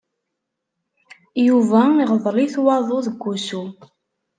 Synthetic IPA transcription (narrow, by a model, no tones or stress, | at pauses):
juvæiʁðˤɾiθwɑðˤoðəɡʷːusu